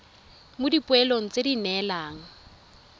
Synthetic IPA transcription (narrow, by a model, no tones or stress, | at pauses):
mʊdipʊɛloŋ̩t͡sedinɛlaːŋ̩